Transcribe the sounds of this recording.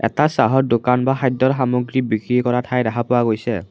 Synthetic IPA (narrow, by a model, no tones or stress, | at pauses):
ɛ̰tasaɦɔdokanbaxajd̪ːɔɹxamoɡɹibikɹikɔɹatʰajdaxʰapʊwaɡojsɛ